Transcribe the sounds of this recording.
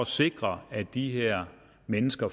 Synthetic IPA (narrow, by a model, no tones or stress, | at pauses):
se̝ɡ̥ʁɐæd̥iɦeɐ̰ | menəsɡ̥ɐ